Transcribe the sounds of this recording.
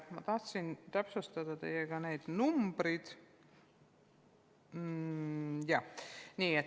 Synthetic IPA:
t̪mɑt̪ɑht̪sint̪æpsust̪ɑd̪̥ɑt̪e̞̰jeɡɑne̞jd̪̥numb̥ɾid̪̥ | jɑniːet̪

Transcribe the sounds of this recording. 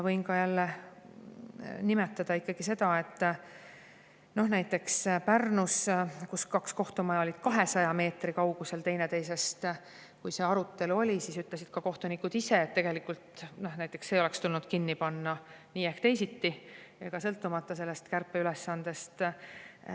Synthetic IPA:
jɑvɤjnkɑjælːe | nime̞t̪ːˑɑd̪̥ɑikːˑɑɡ̥ise̞d̪̥ɑe̞t̪ːˑ | no̞hnæjt̪ːˑe̞kspærnuskuskɑksko̞ht̪omɑjɑolʲid̪̥kɑɦesɑjɑme̞ːt̪rikɑuwɡ̥use̞lt̪e̞jnet̪ejse̞st̪ | kujse̞ːɑɾut̪ˑːe̞luo̞lʲisiːsyt̪lesid̪̥kɑko̞ht̪onikud̪̥ise̞ːt̪ːe̞ɡe̞likːˑult̪no̞hnæjt̪ːˑe̞ksːe̞ːo̞lekst̪ulnud̪̥kinːipɑnːɑ | niːehkt̪e̞jsit̪ːieɡ̥ɑsɤ̞lt̪ːˑumɑt̪ːˑɑse̞lːe̞st̪kærpːˑeylesːɑnd̪̥e̞st̪

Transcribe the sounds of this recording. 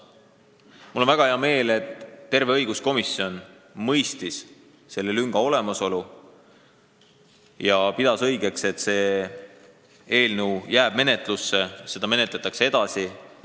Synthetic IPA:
mulːo̞nvæɡ̥ɑheɑme̞ːle̞t̪ːe̞rve̞ɤjɡ̥usko̞misːio̞n | mɤjst̪is | se̞lːe̞lyŋɡ̥ɑo̞le̞mɑso̞lu | jɑpid̪̥ɑsɤ̞jɡe̞kse̞t̪ːse̞ː | e̞ːlnuwjæːb̥̚me̞ne̞t̪ˑlusːe̞se̞d̪ɑme̞net̪let̪ːˑɑksee̞d̪̥ɑsi

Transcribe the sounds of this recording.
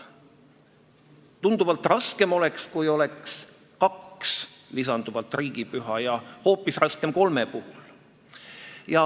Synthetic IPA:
t̪und̪̥uvɑlt̪ˑrɑske̞mo̞lekskujo̞leks | kɑkslisɑnd̪uvɑlt̪ːˑriːɡ̥ipyɦɑjɑho̞ːpːˑisrɑske̞mko̞lmepuhul | jɑ

